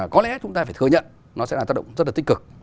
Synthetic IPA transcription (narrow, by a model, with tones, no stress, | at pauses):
kɔ˨˦lɛ̰˧˥t͡ɕʊ˨˦ŋ͡mt̪a˧faː˧˩t̪ʰɨ˧˩əɲə̰˧˨n | nɔ˨˦sɛ̰˧˥laː˨˩wa˦˥t̚ɗ̰ə̰˧˨ŋ͡mzə˦˥t̚laː˨˩ï˦kɨ˨˩k̚